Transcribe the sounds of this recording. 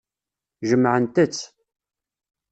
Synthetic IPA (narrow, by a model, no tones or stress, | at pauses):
ʒəmːʕənt̪ət͡sː